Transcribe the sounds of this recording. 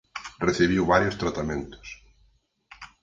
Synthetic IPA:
reθiβiwβaɾjʊst̪ɾat̪amẽnt̪ʊ̥s

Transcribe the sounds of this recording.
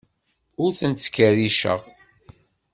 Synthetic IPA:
ʊɾθənt̪ːə̥kːəɾiʃə̰ʁ

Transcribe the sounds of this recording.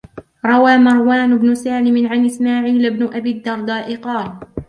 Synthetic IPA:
ɾˤɑwaːmɑɾˤwaːnʊbnʊsaːlɪmɪnʕanʔɪsmaːʕiːlabnʊʔabiːd̪ːɑɾˤd̪ˤɑːʔɪqɑːl

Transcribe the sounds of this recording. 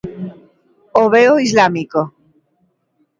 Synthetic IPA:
oβeoizlamiko

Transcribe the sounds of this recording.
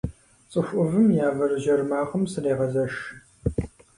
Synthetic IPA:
t͡sʼɨɕʷʼʊvɨmjaːvɐrɨʒɐrmaːqɐmsɨreːʁɐzɐʃ

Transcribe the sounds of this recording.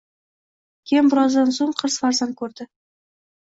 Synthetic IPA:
kʲʰe̞mbʊɾɑzd̪ɑnsoɴqʰəɾsfɑɾzɑŋkʲʰɵɾd̪ɪ

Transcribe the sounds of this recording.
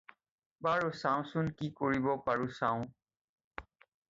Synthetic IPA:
baɾosãũsunkikoɹibɔpaɹusãːũ

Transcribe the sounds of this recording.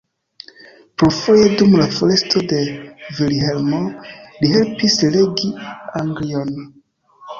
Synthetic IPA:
pɾofo̞jedumlafole̞stʰo̞de̞vilɦe̞lmoliɦe̞lpisle̞ɡiaŋɡlion

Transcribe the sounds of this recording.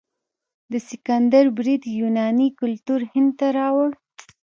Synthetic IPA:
d̪əsɪkand̪aɾbɾid̪junɑnikʊlt̪uɾhɪnd̪̚t̪aɾɑwəɽ

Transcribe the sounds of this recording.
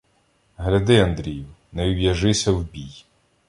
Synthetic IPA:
ɦlʲɐd̪ɪɐnd̪ɾʲijiwnɛwwʲjɐʒɪsʲɐwbʲij

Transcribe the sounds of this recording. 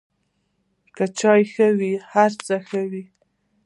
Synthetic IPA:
kət͡ʃɑjxəwihaɾt͡səxəwi

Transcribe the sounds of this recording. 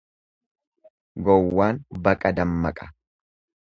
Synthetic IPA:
ɡɔwːaːnbɐkʼɐd̪ɐmːɐ̰kʼɐ̥

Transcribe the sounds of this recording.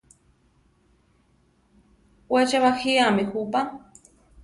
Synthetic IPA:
wet͡ʃaβaxiamihupa

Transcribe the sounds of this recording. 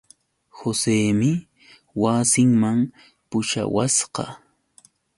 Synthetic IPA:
hoseːmɪ | wasɪŋmam | pʊʃa̰wasqɑ̰

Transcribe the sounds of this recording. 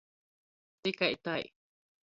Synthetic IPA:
t̪ikait̪aj

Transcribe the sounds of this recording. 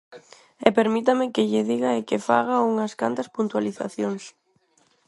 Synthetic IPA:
ɛpeɾmit̪̬ɐmɪkɪʎɪðiɣɐɪkɪfa̰ɣauŋɐska̰nt̪ɐspunt̪waliθa̰θjoŋs

